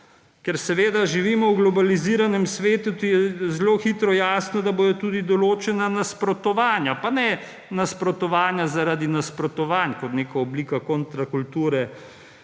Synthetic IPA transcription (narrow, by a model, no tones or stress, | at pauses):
kɛɾsɛʋeːd̪aʒiʋiːmɔwɡlɔbaliziːɾanɛmsʋeːt̪ut̪ujɛzloxit̪ɾɔjaːsnɔd̪aboːd̪ɔt̪uːd̪id̪ɔloːt͡ʃɛnanaspɾɔt̪ɔʋaːnjapanɛ | naspɾɔt̪ɔʋaːnjazaɾad̪inaspɾɔt̪ɔʋankɔt̪neːkaɔbliːkakont̪ɾakult̪uːɾɛ